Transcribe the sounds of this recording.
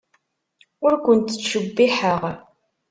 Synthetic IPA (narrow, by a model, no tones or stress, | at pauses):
ʊɾkʷʊnt̪ːə̥t͡sʃəbːiħəʁ